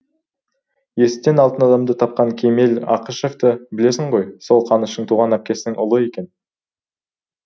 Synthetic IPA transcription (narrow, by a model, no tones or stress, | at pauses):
je̞sɪ̥t̪ːe̞nɑlˠt̪ənɑd̪ɑmd̪ət̪ʰɑp̚qɑŋkʲʰeme̞lɑ̰qəʃe̞ft̪əbɪle̞sɪɴʁo̞jso̞lˠqʰɑnəʃəɴt̪ʰuʁɑnæp̚kʲe̞sɪnɪŋʊlˠəe̞kʲe̞n